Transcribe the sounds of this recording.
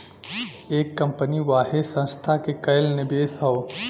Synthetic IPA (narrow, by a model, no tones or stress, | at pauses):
eːkːɐ̃mpəniʋaːɦɪsɐ̃nst̪ʰakekɐɪlnɪbeːsɦaoː